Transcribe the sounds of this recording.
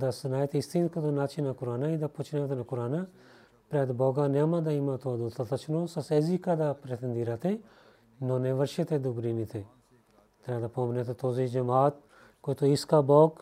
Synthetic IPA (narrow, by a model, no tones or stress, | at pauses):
d̪asɐnaːjt̪ʰist̪iːnkɐd̪onaːt͡ʃʰinakuɾaːnaid̪aput͡ʃʰnet̪ʰɐnakuɾaːna | pɾɛːd̪boːɡanemãd̪aimãt̪ʰoad̪ot̪ʰɐt̪ɐt͡ʃʰnosɐseːzikad̪apɾet̪ind̪iɾat̪ʰe | noːnẽʋɐɾʃet̪ed̪uɡɾinit̪ʰe | t̪ɐɾaːd̪apoːmnet̪ot̪oːzid͡ʒɐmaːt̪̚ | kojt̪oiskaboːɡ